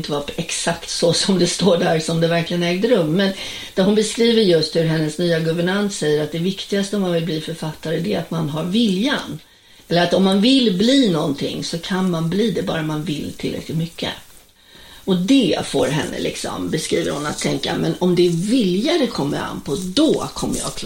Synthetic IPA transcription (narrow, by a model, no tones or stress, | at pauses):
nt̪əvaɛksakt̪sɔsɔmd̪ɛst̪oːɖæɾsɔmd̪ɛvæɾklɪɡənɛːɡ̚d̪əɾɵmːɛn | d̪̥æɦʊnbɛskɾiːvəɾjɵst̪hɵɾɦɛnːəsnyːaɡɵvəɳant̪sɛjːəɾat̪̚d̪ɛvɪkt̪ɪɡast̪əɔmːanvɪlbliːfœɾfat̪ːaɾəd̪ɛa̰t̪manɦaɾvɪljan | ɛlːəɾat̪ɔmːanvɪlbliːnɔnt̪ʰɪ̰ŋːsɔkʰanmanbliːd̪ɛbɑ̰ːɾamanvɪlt̪ʰɪlːɾɛ̰klɪt̪mʏkʰːə̰ | ɔd̪ɛfo̰ːɾɦɛ̰nːə̰lʔɪ̰ksɔ̰mbɛskɾḭːvə̰ɾhʊnat̪ʰːɛŋka̰mɛnɔmd̪ɛvɪljaɾɛkʰɔmːəɾa̰npʰɔd̪ɔkʰɔmːə̰jɑ̰ːkʰ